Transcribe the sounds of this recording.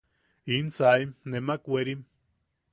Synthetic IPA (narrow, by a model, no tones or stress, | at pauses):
insaimnemakʷeɾim